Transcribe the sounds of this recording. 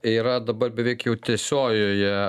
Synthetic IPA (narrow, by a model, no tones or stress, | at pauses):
iːɾɐd̪ɐbɐrbʲɛʋʲɛɪkjɛʊt̪ʲɛsʲoːjoːjɛ